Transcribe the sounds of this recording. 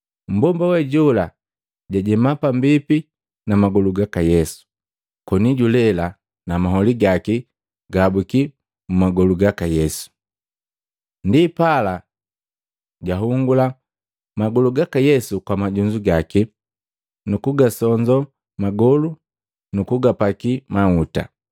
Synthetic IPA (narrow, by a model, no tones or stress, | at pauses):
m̩bɔmbawɛɟula | ɟaɟɛmapambipi | namaɡɔluɡakajɛsu̥ | kɔniɟulɛla | namaɦɔliɡaki | ɡabuki | mumaɡɔluɡakajɛsu̥ | ndipala | ɟaɦuŋɡula | maɡɔluɡakajɛsukwamaɟuɲd͡ʒuɡaki | nukuɡasɔɲd͡ʒɔ | maɡɔlu | nukuɡapakimauta̰